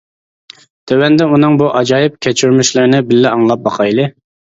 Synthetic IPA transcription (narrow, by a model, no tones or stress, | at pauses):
t̪ʰøwɛnd̪ɛunɨŋbuʔɑd͡ʒɑːjɪp̚kʲʰɛt͡ʃʰyɾmyʃlˠɪɾnɪbɪlːɪɑŋlˠɑp̚bɑqʰɑjlˠɨ